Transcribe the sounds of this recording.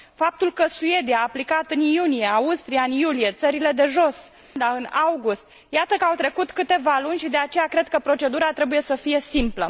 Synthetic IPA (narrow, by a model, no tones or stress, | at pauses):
fap̚t̪ulkəsue̞d̪iaːplikat̪ɨnjunije̞aust̪ɾijaɨnjulije̞t̪səɾile̞d̪e̞ʒo̞s | d̪aɨnawɡust̪ | jat̪əkəawt̪ɾe̞kut̪kɨt̪e̞valunʲʃid̪e̞at͡ʃe̞jakɾe̞d̪kəpɾo̞t͡ʃe̞d̪uɾat̪ɾe̞buje̞səfije̞simplə